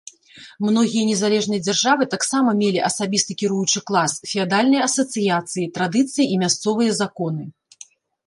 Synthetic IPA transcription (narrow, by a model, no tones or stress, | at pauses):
mnɔɣʲijɐnʲɛzalʲɛʐnɨjɐd͡zʲarʐavɨt̪aksamɐmʲelʲiʔɐsabʲist̪ɨkʲiɾujut͡ʂɨklˠasfʲɛad̪alʲnɨjɐɐsɐt̪sɨjat̪sɨjit̪ɾad̪ɨt̪sɨjiʔimʲast̪sɔvɨjɐzakɔn̪ɨ